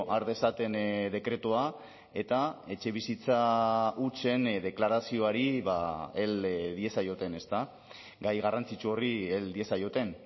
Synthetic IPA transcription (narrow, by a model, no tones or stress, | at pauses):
ʔaɾðe̞sat̪e̞nd̪e̞kɾe̞t̪ua | e̞t̪ae̞t͡ʃe̞βisit͡saut͡ʃe̞nd̪e̞klaɾasio̞aɾiβae̞lðie̞sajo̞t̪e̞ne̞st̪a | ɡajɣarant͡sit͡ʃuo̞rield̪ie̞sajo̞t̪e̞n